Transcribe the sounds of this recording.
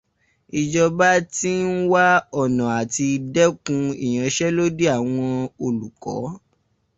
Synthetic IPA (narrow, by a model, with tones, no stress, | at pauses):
i˨d͡ʒɔ˧ba˦ti˦n̩˦wa˦ɔ˦˨nã˨a˨ti˧dɛ˦kũ˧ḭ˨j̃ã˨˦ʃɛ˦lo˦de˦a˦˨w̃ɔ̃˧o˧lu˨kɔ̰˨˦